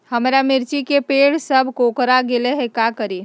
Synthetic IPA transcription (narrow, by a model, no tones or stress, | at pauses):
həmɾamiɾt͡ʃikepeɽsəbʱkokɾaɡeleɦekakəɾi